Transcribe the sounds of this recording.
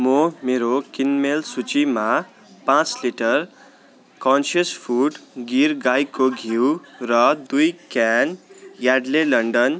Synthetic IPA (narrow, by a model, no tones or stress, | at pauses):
momeɾokinmelsut͡sima | pãt͡sliʈʌr | kɔnsʌspʰuɖɡiɾɡajkoɡʱiwrʌd̪ujkanjaɖlelʌɳɖʌn